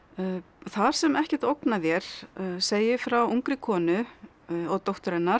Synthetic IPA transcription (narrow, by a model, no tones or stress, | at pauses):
θaɾ̥sɛmɛhcɛht̪owknavjɛɾ̥seːjɪfɾawuŋkɾɪkʰɔːnʏ | ɔɣt̪owht̪ʏɾɛnːaɾ